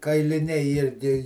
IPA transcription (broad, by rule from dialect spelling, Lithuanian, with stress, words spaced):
kɐɪlʲɪˈnʲɛɪ ˈɪrʲɡʲɪ